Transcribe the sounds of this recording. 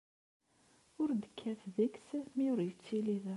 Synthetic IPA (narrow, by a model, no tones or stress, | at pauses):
ʊɾnd̪ə̥kʰːæθðəksmiʊɾjət͡sːilið